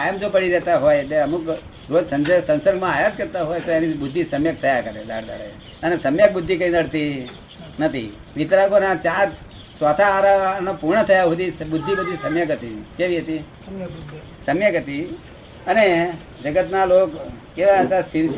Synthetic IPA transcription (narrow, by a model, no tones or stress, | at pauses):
ajəmd͡ʒopəɽiɾɛt̪aɦojeʈleəmuk | ɾod͡ʒsə̃nd͡ʒəsə̃nsəɾɡmãajat̪̚kəɾt̪aɦojt̪oenibʊd̪ʱːisəmjək̚t̪ʰəjakəɾed̪a̰ɽd̪a̰ɽḛ | ənesəmjək̚bʊd̪ʱːikəĩnəɽt̪i | nət̪ʰḭ | ʋit̪ɾakonat͡ʃaɾ | sʋat̪ʰaːɾanapuɾɳət̪ʰəjaɦud̪ibʊd̪ʱːibəd̪ʱisəmjəkɦət̪ikeʋiɦət̪i | səmjəkɦət̪i | əne | d͡ʒəɡət̪nalokkeʋaɦət̪asɪns